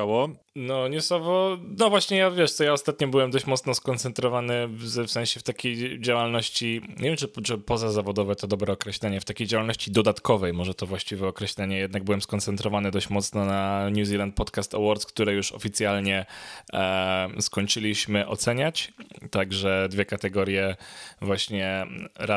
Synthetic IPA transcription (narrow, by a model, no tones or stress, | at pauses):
awɔ | nɔɲusɔvɔnɔvwaɕɲɛjavʲjɛʂt̪sɔjaɔst̪at̪̚ɲɔbɘwɛmd̪ɔɕt͡ɕmɔt̪snɔskɔnt̪sɛnt̪ɾɔvanɘvzɛfsɛ̃ñɕɛft̪akʲejd͡ʑawalnɔɕt͡ɕiɲḛvʲɛmt͡ʂɨt͡ʂɨpɔzazavɔd̪ɔvɛt̪ɔd̪ɔbɾɛɔkɾɛɕlɛɲɛft̪akʲejd͡ʑawalnɔɕt͡ɕid̪ɔd̪at̪kɔvɛjmɔʐɛt̪ɔvwaɕt͡ɕivʲɛɔkɾɛɕlɛɲɛjɛd̪naɡ̚bɘwɛmskɔnt̪sɛnt̪ɾɔvanɘd̪ɔɕt͡ɕmɔt̪snɔnaɲuzʲilant̪̚pɔt̪kast̪ɛ̰wɔɾt̪skt̪uɾɛjuʂɔ̰fʲit̪sʲjalɲɛ | skɔɲt͡ʂɘlʲiɕmɘʔɔ̰t̪sɛɲat͡ɕt̪aɡʐɛd̪vʲɛkat̪ɛɡɔɾjɛvwaɕɲɛɾa